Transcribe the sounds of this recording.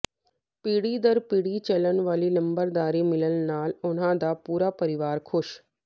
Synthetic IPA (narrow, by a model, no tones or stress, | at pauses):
piːɽid̪əɾpiːɽit͡ʃɐlənʋaːlinɐ̃mbəɾd̪aːɾimɪləlnaːlʊn̤ãd̪apuːɾapɐɾɪʋaːɾkʰʊʃ